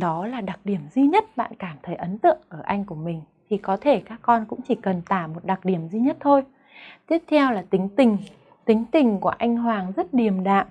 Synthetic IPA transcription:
ɗɔ˨˦laː˨˩ɗa˨˩k̚ɗi˧˩əmzi˧ɲə˦˥t̚ɓa̰ː˧˨nkaː˧˩mt̪ʰə˨˦jʔə˨˦nt̪ɨ̰˧˨əŋʔəː˧˩ʔa˧jŋ̟ku˧˩əmï˨˩ŋ̟t̪ʰi˨˩kɔ˨˦t̪ʰe˧˩kaː˦˥kːɔ˧nkʊ̰˧˥ŋ͡mt͡ɕi˧˩kə˨˩nt̪aː˧˩mo˨˩t̚ɗa˨˩k̚ɗi˧˩əmzi˧ɲə˦˥t̚t̪ʰo˧j | t̪i˦˥əp̚t̪ʰɛ˧wlaː˨˩t̪ï˨˦ŋ̟t̪ï˨˩ŋ̟ | t̪ï˨˦ŋ̟t̪ï˨˩ŋ̟ku˧˩əʔa˧jŋ̟ɦwaː˨˩ŋzə˦˥t̚ɗi˨˩əmɗa̰ː˧˨m

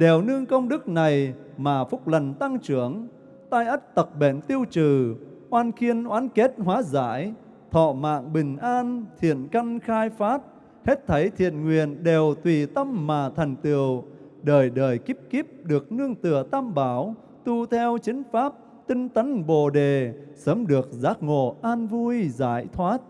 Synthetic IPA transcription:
ɗe˨˩wnɨ˧əŋkə˧wŋ͡mɗɨ˦˥k̚na˨˩j | maː˨˩fʊ˦˥k͡p̚lə˨˩nt̪a˧ŋt͡ɕɨ˧˩əŋ | t̪aː˧jʔə˦˥t̚t̪ə˨˩k̚ɓḛ˧˩nt̪i˧əwt͡ɕɨ˨˩ | ʔwaː˧nxi˧ənʔwaː˨˦nke˦˥t̚hwaː˨˦za̰ː˧˥j | t̪ʰɔ̰˧˨ma̰ː˧˨ŋɓï˨˩ŋ̟ʔaː˧nt̪ʰḭ˧˨ənkə˧ŋxaː˧jfaː˦˥t̚ | he˦˥t̚t̪ʰə˨˦jt̪ʰḭ˧˨ənŋwi˨ənɗe˨˩wt̪wi˨˩t̪ə˧mːaː˨˩t̪ʰɛ˨˩jŋ̟t̪ɨ˨˩əw | ɗəː˨˩jɗəː˨˩jki˦˥p̚ki˦˥p̚ɗɨ˨˩ək̚nɨ˧əŋt̪ɨ˧˨˩ət̪aː˧mɓaː˧˩˦w | t̪u˧t̪ʰɛ˧wt͡ɕï˨˦ŋ̟faː˦˥p̚ | t̪ï˧ŋ̟t̪ə˨˦nɓo˨˩ɗe˨˩səː˨˦mɗɨ˨˩ək̚zaː˨˦˥k̚ŋo̰˧˩ʔaː˧nvu˧jza̰ː˧˩jt̪ʰwaː˦˥t̚

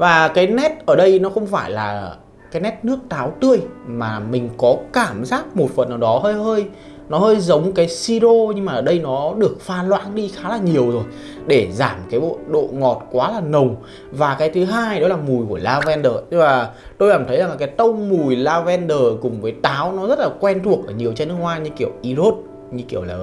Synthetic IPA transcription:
vaː˨˩kaː˨˦jnɛ˦˥t̚ʔəː˧˩ɗə˧jnɔ˨˦xə˧wŋ͡mfaː˧˩jlaː˨˩ | kaː˨˦jnɛ˦˥t̚nɨ˦˥ək̚t̪aː˨˦wt̪ɨ˧əjmaː˨˩mï˨˩ŋ̟kɔ˨˦kaː˧˩mzaː˦˥t̚mo˨˩t̚fə̰˨nʔaː˨˩ɗɔ˨˦həː˧jhəː˧j | nɔ˨˦həː˧jzə˨˦wŋ͡mkaː˨˦jsi˧zo˧ɲɨ˧ŋmaː˨˩ʔəː˧˩ɗə˧jnɔ˨˦ɗɨ˨˩ək̚faː˧˩nlwa̰ː˧˥nɗi˧xaː˨˦laː˨˩ɲi˨˩əwzo˨˩j | ɗe˧˩zaː˧˩mkaː˨˦jɓo̰˧˨ɗo̰˧˨ŋɔ˨˩t̚kwaː˨˦laː˨˩nə˨˩wŋ͡m | vaː˨˩kaː˨˦jt̪ʰɨ˨˦ɦaː˧jɗɔ˨˦laː˨˩mu˨˩jku˧˩əlaː˧vɛ˧nɗəː˨˩˧vaː˨˩ | t̪o˧jlaː˨˩mt̪ʰə˨˦jza˨˩ŋla˨˩aː˨˦jt̪ə˧wŋ͡mmu˨˩jlaː˧vɛ˧nɗəː˨˩kʊ˨˩ŋ͡mvəː˨˦jt̪aː˨˦wnɔ˨˦zə˦˥t̚laː˨˩kwɛ˧nt̪ʰu˨˩ək̚ʔəː˧˩ɲi˨˩əwt͡ɕɛ˧nɨ˦˥ək̚waː˧ɲɨ˧ki˧˩əwʔi˧zo˦˥t̚ | ɲɨ˧ki˧˩əwləː˨˩

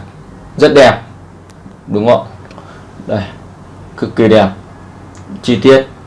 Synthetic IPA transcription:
zə˦˥t̚ɗɛ˨˩p̚ | ɗu˨˦ŋɔ̰˧˨ | ɗa˨˧˩ | kɨ˨˧˩kːi˧˩ɗɛ˨˩p̚ | t͡ɕi˧˩t̪i˦˥ət̚

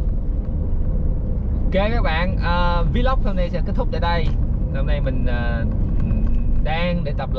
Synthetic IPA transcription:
ke˧˩kaː˦˥k̚ɓa̰ː˧˨nʔəː˨˩vi˧˦lə˦˥wk͡p̚hə˧mna˧jsɛ̰˧˥ke˦˥t̪ʰʊ˦˥k͡p̚əː˨˧˩ɗə˧jhə˧mna˧jmï˨˩ŋ̟ʔaː˨˩ | ɗaː˧ŋɗe˧˩t̪ə˨˩p̚

